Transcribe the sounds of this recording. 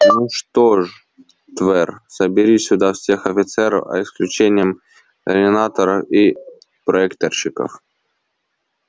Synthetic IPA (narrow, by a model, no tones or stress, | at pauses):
mʲʊʂt̪oʐ | t̪vɛrsəbʲɪɾʲisʲʊd̪afsʲe̞xɐfʲɪt̪sɛɾə̰fɐ̰ɪsklʲʉt͡ɕenʲɪjəm | k̪əɾʲdʲɪnat̪əɾəfi | pɾɐɛkt̪ərɕɪkə̰f